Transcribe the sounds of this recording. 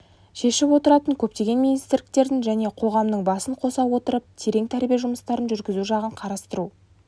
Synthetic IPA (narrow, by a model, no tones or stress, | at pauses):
ʃe̞ʃɪpwo̞t̪əɾɑt̪əŋkʲʰɵp̚t̪e̞ɡʲe̞nminist̪ɪɾlʲɪk̚t̪e̞ɾd̪ɪŋʒæne̞qʰo̞ʁɑmnəɴbɑsəɴqʰo̞sɑwwo̞t̪əɾəp̚t̪ʰe̞ɾe̞ŋt̪ʰæɾbijeʒʊməst̪ɑɾənʒʏɾɡʲɪzuʒɑʁəɴqʰɑɾɑst̪əɾu